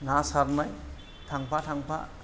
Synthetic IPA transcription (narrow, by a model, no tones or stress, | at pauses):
ŋasaɾnaj | tʰaŋpatʰaŋpʰa̰